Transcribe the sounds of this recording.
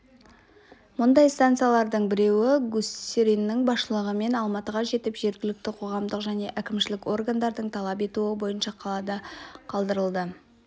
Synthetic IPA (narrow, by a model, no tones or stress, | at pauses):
mʊnd̪ɑjst̪ant̪sɨjalˠɑɾd̪əɴbɪɾe̞wɪɡuseɾinːɪŋbɑsʃəlˠəʁəme̞nɑlˠmɑt̪əʁɑʒe̞t̪ɪpʒe̞ɾɡʲɪlɪk̚t̪ɪqʰo̞ʁɑmd̪əqʒæne̞ʔækʲɪmʃɪlɪko̞rɡand̪ɑɾd̪əɴt̪ʰɑlˠɑp̬e̞t̪uɪbo̞jənʃɑqʰɑlˠɑd̪ɑqʰɑlˠd̪əɾəlˠd̪ə